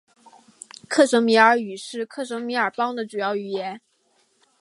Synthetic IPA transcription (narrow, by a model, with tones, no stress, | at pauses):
kʰɤ˥˩ʂɤ˧˥ŋmi˧˥ə˞˧˥y˨˩ʂɻ̩˥˧kʰɤ˥˩ʂɤ˧˥ŋmi˧˥ə˞˨˩pɑ˥ŋd̪ə˨ʈ͡ʂu˨˩jɑ˥˩ʊy˨˩jɛ˧˥n